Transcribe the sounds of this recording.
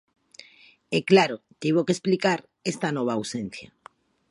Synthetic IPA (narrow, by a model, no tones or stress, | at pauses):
ɛklaɾʊt̪iβ̞okesplikaɾ | est̪anɔβ̞aːwsen̟θjɐ̰